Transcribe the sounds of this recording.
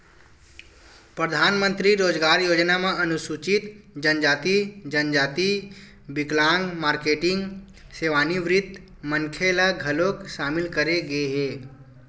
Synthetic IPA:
pɾəd̪ʱaːnmə̃nt̪ɾiɾoːd͡ʒɡaːɾjoːd͡ʒnamẽʔɐnʊsuːt͡ʃɪt̪d͡ʒənd͡ʒaːt̪id͡ʒənd͡ʒaːt̪i | bɪklãːŋɡmaːɾkeːʈɪ̃ŋɡ | seːʋaːniʋɾɪd̪ʱ | məŋkʰelaɡʱɐlokʃaːmɪlkəɾeɡɐeɦɛː

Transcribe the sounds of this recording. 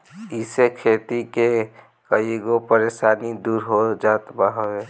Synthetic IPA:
isekʰet̪ike | kəiɡopəɾeːsaːnid̪uːɾɦod͡ʒaːt̪baɦəe

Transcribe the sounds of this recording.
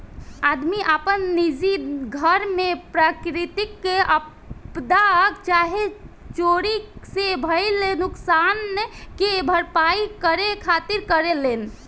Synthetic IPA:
ad̪miʔapənːid͡ʒiɡʱəɾmepɾakɾit̪ikːeʔə | pd̪akt͡ʃaɦe | t͡ʃoɾisebʱəjlenuksanːekebʱəɾpaikəɾekʰat̪iɾkəɾelen

